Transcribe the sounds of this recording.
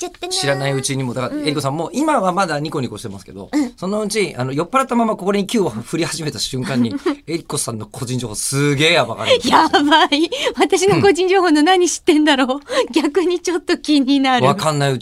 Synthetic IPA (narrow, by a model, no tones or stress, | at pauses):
ɕiɾanaiɯ̟t͡ɕiɲ̟imo̞d̪akaeɾiko̞sãmːoːʔimaβamad̪aɲ̟iko̞ɲ̟iko̞ɕi̥t̪e̞masɨ̥ke̞d̪o̞̰sõ̞nːaɯ̟t͡ɕiʔa̰nojo̞pːaɾat̪ːamamako̞ko̞ɾeɲ̟ikʲɨːβaɸɯ̟ɾʲihaʑime̞t̪aɕɨ̃ŋkãɲ̟ːie̞ɾʲiko̞sãnːo̞kʰo̞ʑĩɲd͡ʑo̞ːhoːsɨɡe̞ːjaba̰ka̰ɾjabaiβat̪aɕ̬inoko̞ʑĩɲ̟d͡ʑo̞ːɦo̞ːnonaɲ̟iɕi̥t̪ːẽ̞nd̪aɾo̞ːɡʲakɯ̟ɲ̟it͡ɕo̞t̪ːo̞kʲiɲ̟inaɾβɯakãnːaiɯ